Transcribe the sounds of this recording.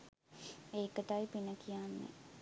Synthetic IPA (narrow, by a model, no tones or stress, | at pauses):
eːkəʈajpinəkʰijanːḛ